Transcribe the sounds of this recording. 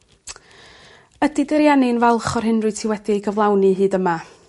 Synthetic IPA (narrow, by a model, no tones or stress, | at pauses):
ədidɛɾjanɪnvɛlˠχɔrɦɪnrɨtʰɪwɛdiɡəvlˠawniɦɨːdəma